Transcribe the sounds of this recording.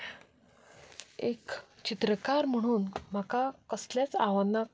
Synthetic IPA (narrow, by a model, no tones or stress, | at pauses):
ekt͡ɕit̪ɾəkaɾm̤əɽ̃uːnm̤akakəsljat͡saʋəna